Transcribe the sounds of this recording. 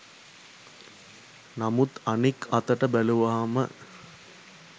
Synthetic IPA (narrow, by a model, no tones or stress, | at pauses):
namut̪anikʰɐt̪əʈəbæluʋaːmə̰